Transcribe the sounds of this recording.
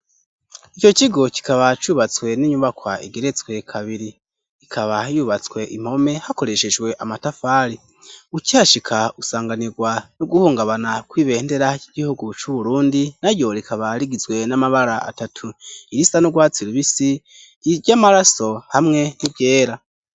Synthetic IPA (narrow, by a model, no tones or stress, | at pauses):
it͡ʃo̞t͡ʃiɡo̞ci̥kaβat͡ʃuːβat͡swe̞niːɲuβakwaiɡeɾe̞t͡swe̞kʰaβiɾi | ikʰaβajuβat͡swe̞ʔim̥ho̞me̞hako̞ɾe̞ʃe̞d͡ʒɡwe̞ʔamatafaːɾi | ucihaʃikʰaɡusaːŋɡaniɡwanuɡuhuːŋɡaβanakwiːβe̞ːnde̞ɾaiɟ̥ihuɡut͡ʃuβuɾuːndinaɾjo̞ɾikʰaβaɾiɡizwe̞namaβaɾaa̰tatʰuiɾisanuɡwaːt͡siɾiβisi | iɾɟamaɾaso̞hamŋe̞nibje̞ːɾa